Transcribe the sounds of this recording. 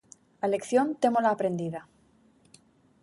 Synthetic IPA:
ale̞kθjont̪e̞molaːpɾe̞nd̪iða

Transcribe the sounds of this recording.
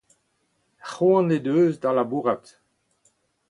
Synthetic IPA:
χoɑ̃nedøːzd̪ãlabuʁat

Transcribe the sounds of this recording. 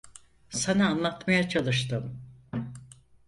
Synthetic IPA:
sanaːnlˠat̪majat͡ʃʰalˠɯʃt̪ɯm

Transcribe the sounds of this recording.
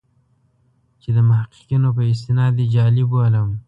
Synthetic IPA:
t͡ʃed̪əmʊɦaqi̥qinop̬əɪst̪ɪnɑd̪ed͡ʒɑːliboləm

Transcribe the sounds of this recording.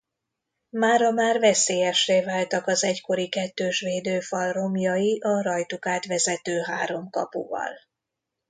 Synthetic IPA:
maːɾɒmaːrvɛseːjɛʃreːvaːlt̪ɒkɒzɛcko̞ɾikɛt̪ːøːʃʋeːd̪øːfɒlro̞mjɒjiʔɒɾɒjt̪ukaːt̪ʋɛzɛt̪øːɦaːɾo̞mkɒ̰pṵvɒ̰l

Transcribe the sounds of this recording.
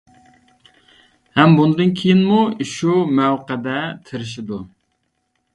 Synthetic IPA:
hɛmbund̪ɨnkʲʰejinmuiʃumɛwqæd̪ɛt̪ʰɪɾɪʃ̬ɪd̪u

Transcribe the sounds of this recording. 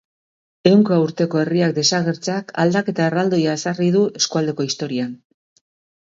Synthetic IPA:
e̞wŋkauɾt̪e̞ko̞e̞riak̚d̪e̞saɣe̞ɾt͡seaka̰ld̪ake̞t̪aerald̪o̞jaesarið̞ue̞skuald̪e̞ko̞ist̪o̞ɾian

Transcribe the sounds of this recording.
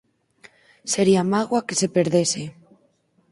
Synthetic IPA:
seɾiamaɣwakesepeɾðese

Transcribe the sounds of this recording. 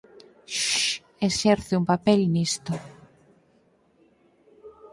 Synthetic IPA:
ʃ | esɛɾθeumpapɛlnist̪o

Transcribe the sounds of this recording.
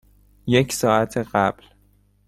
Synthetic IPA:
je̞cʰsɒːʔæt̪ʰeɢæb̥l

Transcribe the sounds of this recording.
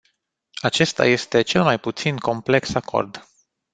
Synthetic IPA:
at͡ʃe̞st̪a̰je̞st̪e̞t͡ʃe̞lmajput̪sinko̞mple̞ksako̞̰rd̪

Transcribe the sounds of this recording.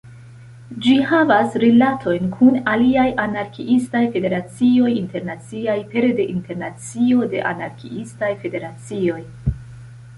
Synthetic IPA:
d͡ʒihavasɾilatʰo̞jnkʰunaliajʔanaɾkiʔistajfe̞de̞ɾat͡sio̞jinte̞ɾnat͡siajpe̞ɾde̞ʔinte̞ɾnat͡sio̞de̞̰ʔa̰naɾkḭistajfe̞de̞ɾat͡sio̞j

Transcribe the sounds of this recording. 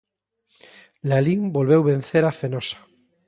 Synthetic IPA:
laliŋbolβewβẽnθeɾafenosḁ

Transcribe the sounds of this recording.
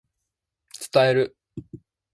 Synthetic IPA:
t͡sɨ̥t̪aeɾɯ̟

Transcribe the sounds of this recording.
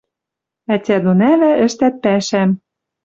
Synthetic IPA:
ætʲæd̪onæβæʔɘ̆ʃt̪æt̪̚pæʃæm

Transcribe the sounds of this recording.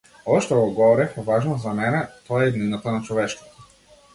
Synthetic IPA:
ɔʃt̪ɔɡɔɡɔvɔɾɛfvaʒnɔzamɛnɛt̪ɔaɛid̪ninat̪anat͡ʃɔvɛʃkɔ̥t̪ɔ̥

